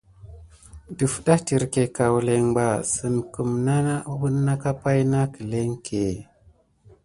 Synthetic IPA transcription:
du˨fɗa˦ti˨ɾke˨ka˨wle˨ŋba˨sɨ˨nku˨mna˦na˦u˦bu˦nːa˦ka˦pa˦jna˦kə˨le˦ŋkʰe˨

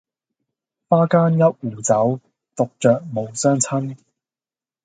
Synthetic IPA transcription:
faː˥kaː˥njɐ˥t̚uː˨˩t͡sɐ˨˥w | t̪o˨k̚t͡ʃœː˨k̚mo˨˧wsœː˥ŋt͡sʰɐ˥n

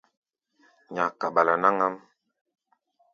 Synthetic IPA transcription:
ɲa˨ka˨ɓa˨la˨na˦ŋa˦m

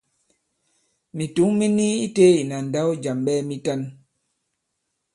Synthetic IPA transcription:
mi˨tu˨˦ŋmi˦ni˦i˦te˦i˨na˨n̩˨da˦wd͡ʒa˨mɓɛ˦mi˦ta˦n

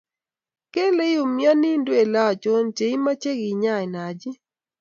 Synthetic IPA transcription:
ke˦le˦jo˨mɪ˦ɔ˦ni˦ndwe˨la˦ɔ˨t͡ʃo˦nt͡ʃe˨i˦ma˦t͡ʃe˦ɡi˨ɲa˦˨ɪ˨na˨d͡ʒɪ˦

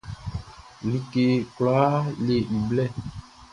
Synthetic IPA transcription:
li˨ke˨klaː˨˦le˨i˨blɛ˦˨

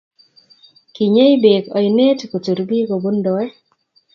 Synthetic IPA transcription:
ki˨ɲe˦i˦be˨kɔ˨jne˦tko˨t͡ʃu˨ɾbi˦ɡo˨bo˦ndɔ˨ɛ˦

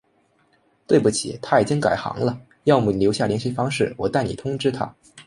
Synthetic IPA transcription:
t̪we˥˧ɪpu˥˩t͡ɕʰḭ˨˩˦t̪ʰa˥i˨˩t͡ɕi˥ŋka˨˩ɪxɑ̰˧˥ŋlə˧ | jɑ˥˩ʊmu˨˩ljo˧˥ʊɕja˥˩ljɛ˧˥nɕi˥fɑ˥ŋʂɻ̩˥˩wɔ˨˩t̪a˥˩ni˨˩t̪ʰʊ˥ŋʈ͡ʂɻ̩˥t̪ʰa̰˥

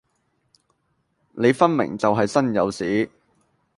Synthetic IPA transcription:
ne˨˧jfɐ˥nmɪ̰˨˩ŋt͡sɐ˨wɦɐ˨jsɐ˥njɐ̰˨˧wsiː˨˥

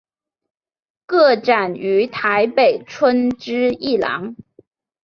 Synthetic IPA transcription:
kɤ˥˩ʈ͡ʂa˨˩ny˧˥t̪ʰa˧˥ɪpe˨˩ɪʈ͡ʂʰwə˥nʈ͡ʂɻ̩˥i˥˩lɑ̰˧˥ŋ

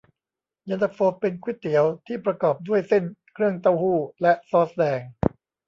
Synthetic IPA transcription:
ja˧nd̪a˧k̚foː˧pe˧nkʰwi˦˥t̪ʰːi˩˦əwt̪ʰiː˥˩pɾa˧kɔː˨˩p̚du˥˩əjse˥˩nkʰɾɯ˥˩əŋt̪a˧˩whuː˥˩lɛ˦˥ʔsɔː˦˥sdɛː˧ŋ

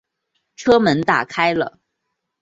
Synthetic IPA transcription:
ʈ͡ʂʰɤ˥mə˧˥nt̪a̰˨˩kʰa˥ɪlə̰˨

